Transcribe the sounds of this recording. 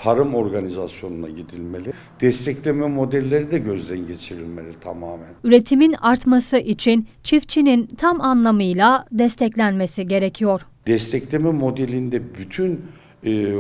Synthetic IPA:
t̪ʰaɾɯmo̞ɾɡanizasjo̞nuna̰ɟid̪ilʲmelʲi | d̪̥ɛst̪ʰɛclʲemɛmo̞d̪ɛlʲːeɾid̪ɛɟø̞zd̪ɛnɟe̞t͡ʃʰiɾilʲmelʲiit̪ʰamaːmænyɾe̞t̪ʰiminaɾt̪masɯʔit͡ʃʰint͡ʃʰift͡ʃʰinint̪ʰamanlˠamɯjlˠad̪ɛst̪ʰɛclʲænme̞siɟe̞ɾe̞cʰijo̞ɾ̥ | d̪̥ɛst̪ʰɛclʲemɛmo̞d̪elʲind̪ɛbyt̪ʰyn

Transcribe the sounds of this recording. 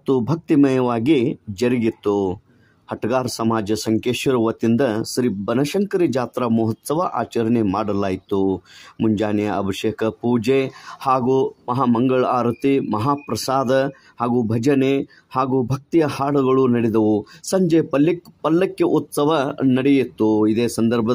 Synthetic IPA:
t̪ːubʱɐk̚t̪imɐjɐʋaːɡid͡ʒɐɾiɡit̪ːu | hɐʈɐɡaːɾsɐmaːd͡ʒɐsɐŋkeːʃɐɾɐʋɐt̪ind̪ɐʃɾibɐnɐʃɐŋkɐɾid͡ʒaːt̪ɾɐmuɦɐt̪sɐʋɐʔa̰ːt͡ʃɐɾɐnemaːɽɐlaːjit̪umuɲd͡ʒaːnijɐɐbʱɐʃeːkʰɐpuːd͡ʒehaːɡumɐɦaːmɐŋɡɐɭaːɾɐt̪imɐɦaːpɾɐsaːd̪ɐ | haːɡuːbʱɐd͡ʒɐne | haːɡubʱɐk̚t̪ijɐhaːɽɐɡɐɭunɐɽid̪ɐʋusɐɲd͡ʒeːpɐlːpɐlːɐkːeʔut̪sɐʋɐnɐɽejit̪ːuid̪eːsɐnd̪ɐɾbʱɐ

